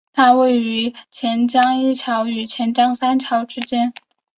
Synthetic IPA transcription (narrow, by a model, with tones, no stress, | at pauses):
t̪ʰa˥we˥˩ɪy˧˥t͡ɕʰjɛ˧˥nt͡ɕjɑ˥ŋi˥˩ʈ͡ʂʰjɑ˧˥ʊy˨˩t͡ɕʰjɛ˧˥nt͡ɕjɑ˥ŋsa˥nʈ͡ʂʰjɑ˧˥ʊʈ͡ʂɻ̩˥t͡ɕjɛ˥n